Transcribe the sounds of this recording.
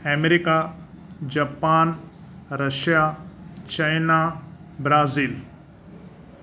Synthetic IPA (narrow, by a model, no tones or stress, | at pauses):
emeɾika | d͡ʑaːpaːn | ɾɐʃijat͡ɕajnabɾaːziːl